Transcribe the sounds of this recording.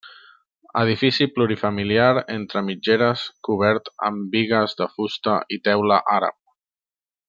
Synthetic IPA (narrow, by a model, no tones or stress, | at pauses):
ə̰ð̞ifisipluɾifəmiliaɾent̪ɾəmid͡ʒeɾəskuβɛɾt̪ə̰mbiɣəzðəfust̪əit̪ɛwləʔaɾə̰p̚